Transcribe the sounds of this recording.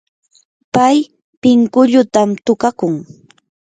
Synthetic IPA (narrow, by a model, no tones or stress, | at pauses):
paj | pɪŋkʊʎʊt̪amt̪ʊkakʊŋ